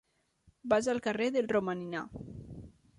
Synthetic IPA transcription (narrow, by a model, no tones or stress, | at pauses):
bazalˠkareðelˠromanina̰